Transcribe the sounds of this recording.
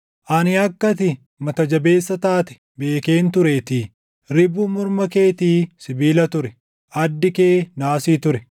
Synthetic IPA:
ʔɐnɪɐkːɐt̪̬ɪ | mɐt̪ɐd͡ʒɐbe̞ːsːɐt̪aːt̪ɛ̥ | be̞ːkeːnt̪ʊɾeːt̪ɪ | ɾɪbuːmʊɾmɐke̞ːt̪iːsɪbiːlɐt̪ʊɾɛ | ʔɐd̪ːɪkeːnaːsiːt̪ʊɾɛ

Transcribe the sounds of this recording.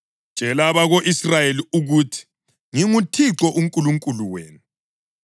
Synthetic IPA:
t͡ʃʼɛlaβaɣoʔisrajeliuɣutʰi̥ | ŋiŋutʰiǀɔʔuŋkʼuluŋkʼuluweːnu

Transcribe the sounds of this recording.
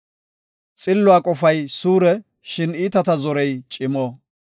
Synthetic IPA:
t͡sʼɪlːʊaːkʼɔfɐjsuːɾɛ | ʃɪniːt̪ɐt̪ɐzɔɾɛjt͡ʃʼɪmoː

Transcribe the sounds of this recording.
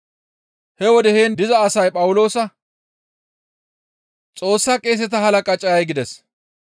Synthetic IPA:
hɛwɔd̪ɛheːnd̪ɪzɐːsɐjpʼɐwʊlo̞ːsɐ | t͡sʼo̞ːsːɐkʼe̞ːs̬ɛt̪ɐhɐlɐkʼɐt͡ʃʼɐjɐjɡɪd̪ɛs

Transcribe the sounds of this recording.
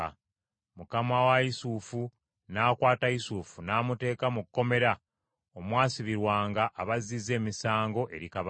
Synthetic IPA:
mukamawaisuːfu | naːkwaːtaisuːfunaːmute̞ːkamukkːo̞me̞ɾa | omwaːsiβiɾwaːŋɡaʔːβazize̞ːmisaːŋɡo̞ʔe̞ɾikaβ

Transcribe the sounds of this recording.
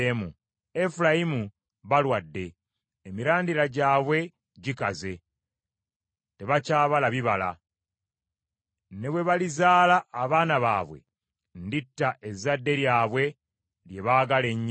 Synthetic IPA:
emu | e̞fulajimu | βalwadːe̞ː | miɾaːndiɾaɟaːβwe̞ | ɟikaze̞ | te̞βacaːβalaβiβala̰ | ne̞βwe̞βalizaːlaʔːβaːnaβa̰ːβwe̞̰ | nditːaʔe̞zadːe̞ɾjaːβwe̞ | lje̞βaːɡale̞ɲː

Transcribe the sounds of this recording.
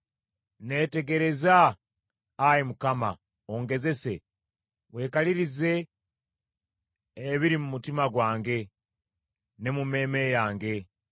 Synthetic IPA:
ne̞ːte̞ɡe̞ɾe̞zaː | jimukama̰ | oŋɡe̞ze̞se̞ | we̞ːkaliɾize̞ | βiɾimumutimaɡwaːŋɡe̞ | ne̞mume̞ːme̞jaːŋɡe̞

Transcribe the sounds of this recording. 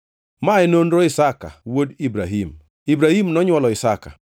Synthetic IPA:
maɪnonɾoɪsaka̰wodibɾaɦim | ibɾahimnɔɲwɔlɔɪsaka̰

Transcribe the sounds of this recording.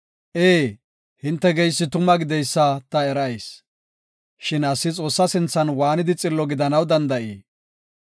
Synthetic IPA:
ʔeː | hɪnt̪ːɛɡɛjsːɪt̪ʊmɐɡɪd̪ɛjsːɐt̪ɐɛɾɐjs | ʃɪnɐsːɪt͡sʼo̞ːsːɐsɪnt͡sːɐnwaːnɪd̪ɪt͡sʼɪlːɔɡɪd̪ɐnɐwd̪ɐnd̪ɐʔiː

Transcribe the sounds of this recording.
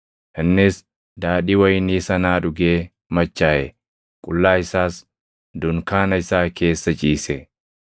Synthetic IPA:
hɐnːes | d̪aːᶑiːwɐjɪniːsɐnaːᶑʊɡeː | mɐt͡ʃːaːʔɛ | kʼʊlːaːɪsaːs | d̪ʊŋkaːnɐɪsaːke̞ːsːɐt͡ʃʼiːsɛ

